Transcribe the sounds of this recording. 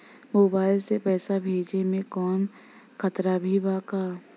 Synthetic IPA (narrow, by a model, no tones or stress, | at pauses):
moːbaːɪlsepɛːsabʱeːd͡ʒemẽkɔːn | kʰət̪ɾabʱibaːkaː